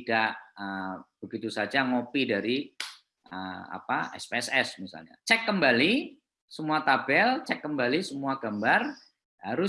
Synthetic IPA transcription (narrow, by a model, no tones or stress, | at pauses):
idaʔəb̥əɡit̪usad͡ʒaŋopidaɾi | ʔə̰a̰paɛ̰speɛsɛsmisa̰lɲa̰t͡ʃɛkːəmbali | səmuat̪abɛlt͡ʃɛkːəmbalisəmuaɡambar | haɾʊ